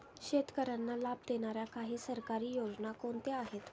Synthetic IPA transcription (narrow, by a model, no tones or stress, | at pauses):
ɕet̪kəɾanːalab̚d̪enaɾjakaɦiːsəɾkaɾiːjod͡znakoɳt̪eaɦet̪